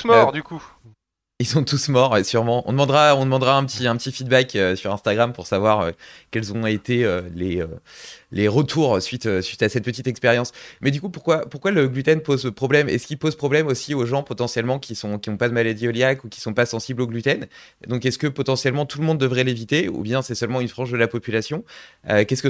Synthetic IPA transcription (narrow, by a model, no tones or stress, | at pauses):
mɔʁd̪yku | ilsɔ̃t̪usmɔʁesyʁmɑ̃ɔ̰̃d̪əmɑ̃d̪ʁaɔ̃d̪əmɑ̃d̪ʁaɛ̃pət̪ʰiɛ̃pət̪ifid̪bakøsyʁɛ̃st̪aɡʁampuʁsavwaʁø̰kʲɛlzɔ̃et̪eøleø̰leʁət̪ʰuʁsɥit̪øsɥit̪asɛt̪̚pət̪it̪ɛkspeʁjɑ̃smɛd̪ykupuʁkwapuʁkwaləɡlyt̪ɛnpozpχɔblɛmɛ̰skʲilpozpχɔblɛmosioʒɑ̃pɔt̪ɑ̃sjɛlmɑ̃kʲisɔ̃kʲiɔ̃pad̪əmalad̪iɔljakukʲi̥sɔ̃pasɑ̃sibloɡlyt̪ɛn | d̪ɔ̃kɛskəpɔt̪ɑ̃sjɛlmɑ̃t̪ʰuləmɔ̃d̪ːəvʁɛlevit̪eṵbjɛ̃sɛsœlmɑ̃ynfχɑ̃ʒd̪əlapɔpylasjɔ̃økʲɛskə